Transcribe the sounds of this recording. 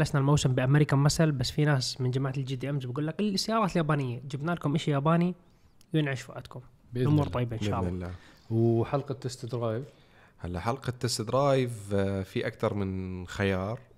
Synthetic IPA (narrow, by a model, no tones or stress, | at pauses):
lasnalmawsɪmbɪʔamaɾiːkamasalbasːfinaːsmɪnd͡ʒamaːʕat̪ɪld͡ʒɪd̪iʔamzbɡuːlːakɪlsːajɑːɾɑːt̪ɪljaːbaːnɪjːad͡ʒɪbnaːlakʊmʔaʃijaːbaːni | wjɪnʕaʃfuʔad̪kʊm | ʔʊmuːɾˤt̪ˤɑjbaʔɪnʃaːʔllːa | wħalqɑt̪ːast̪ɪd̪ɾˤɑːjv | halːaħalqɑt̪ːast̪ɪd̪ɾˤɑːjɪvfiʔakt̪ɑɾˤmɪnxajɑːɾˤ